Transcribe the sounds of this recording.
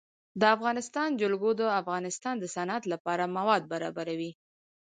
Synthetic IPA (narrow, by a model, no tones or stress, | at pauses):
d̪əafɣɑnɪst̪ɑnd͡ʒʊlɡod̪əafɣɑnɪst̪ɑnd̪əsanat̪lapɑɾamawɑd̪̚baɾɑ̰baɾawi